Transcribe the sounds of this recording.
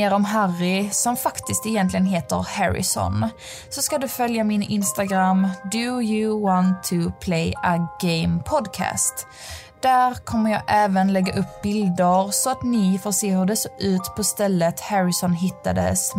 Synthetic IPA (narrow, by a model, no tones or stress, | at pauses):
eːɾɔmɦarːɪsɔmfakt̪ɪst̪ɛjɛnt̪lɪɡənɦeːt̪əɾhɛɾɪ̰sɔ̰n | sɔskad̪ɵfœljamɪnɪ̰nst̪aɡɾamd̪ɵjɵwɔnt̪ʰːʊpʰlejaɡeɪmpʰɔd̪kʰæ̰ːst̪ | d̪̥æɾkʰɔmːəɾjɑːɡʔɛːvənlɛɡːaʔɵpːbɪld̪əɾsɔat̪nɪfoseːɦɵɾd̪ɛsɔʔʉ̟ːt̪pʰɔst̪ɛlːət̪hæɾɪsɔnɦɪt̪ːad̪ə̰s